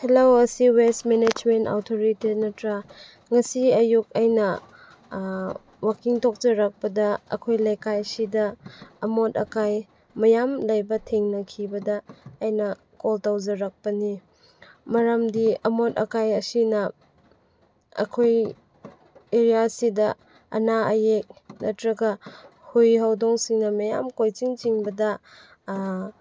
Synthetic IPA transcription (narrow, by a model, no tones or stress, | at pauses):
helowɐsiwestmened͡ʒmenta̰wtʰoɾitit̚nɐtɾa | ŋɐsiɐjuk̚ajnɐ | wakiŋtʰok̚zɐɾɐk̚pɐdɐɐ̰kʰojlɐjkajsidɐːmotɐ̰kaj | mɐjamlɐjbɐtʰeŋnɐkʰibɐdɐːjnɐ | koltawzɐɾɐk̚pɐni | mɐɾɐmdiɐmotɐ̰kajɐsinɐ | ɐ̰kʰoj | eɾijasidɐ | ɐ̰naɐjek̚nɐtɾɐɡɐhujɦawdoŋsiŋnɐmɐja̰mkojt͡ʃiŋt͡ʃiŋbɐdɐ